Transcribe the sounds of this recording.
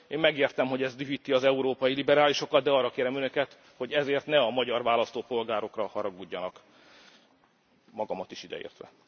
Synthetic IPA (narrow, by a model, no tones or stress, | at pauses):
eːmmɛɡeːrt̪ɛmɦo̞ɟɛzd̪yɦit̪ːiɒzɛuɾoːpɒjilibɛɾaːliʃo̞kɒd̪̚d̪ɛɒːrːɒkeːɾɛmø̞nø̞kɛt̪ | ho̞ɟɛzeːrt̪nɛɒmɒɟɒrvaːlɒst̪oːpo̞lɡaːɾo̞krɒhɒɾɒɡuɟːɒnɒk | mɒɡɒmɒt̪iʃid̪ɛ̰ḛːrt̪ʋɛ̰